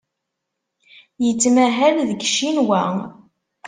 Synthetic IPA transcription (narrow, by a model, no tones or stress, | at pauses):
jət͡sːmæɦælðəɡʃinwæ